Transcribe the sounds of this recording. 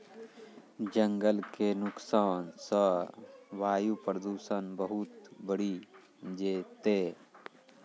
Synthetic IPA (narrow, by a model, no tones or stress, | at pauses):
d͡ʒə̃ŋɡəlkenʊksaːnsə | ʋaːjupɾəd̪uːsəːnbəɦut̪bəɽi | d͡ʒeːt̪eː